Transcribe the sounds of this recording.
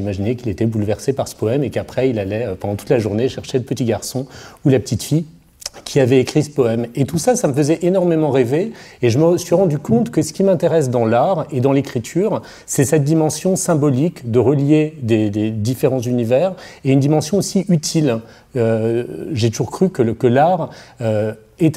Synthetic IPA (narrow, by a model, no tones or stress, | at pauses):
imaʒinekilet̪ɛbulvɛʁsepaʁsə̥pɔɛmekapχɛilalɛøpɑ̃d̪ɑ̃t̪u̥t̪laʒuʁneʃɛʁʃeləpət̪iɡaʁsɔ̃ulapə̥t̪it̪fi | kʲʰiavɛekχisə̥pɔɛmet̪usasaməfəzɛʔenɔʁmemɑ̃ʁeveeʒəməsɥiʁɑ̃d̪ykɔ̃t̪kəsə̥kʲimɛ̃t̪eʁɛs̬d̪ɑ̃laʁed̪ɑ̃lekχit̪ʰyːʁ | sɛsɛt̪̚d̪imɑ̃sjɔ̃sɛ̃bɔlikd̪əʁəljed̪ed̪ed̪ifeʁɑ̃zynivɛʁeynd̪imɑ̃sjɔ̃osiʔyt̪ʰil | øʒet̪uʒuʁkχykəkəlaʁø | et̪